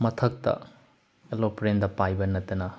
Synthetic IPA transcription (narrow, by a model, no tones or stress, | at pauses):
mɐtʰɐk̚tɐ̰ | elopɾendɐpajbɐnɐtːɐnɐ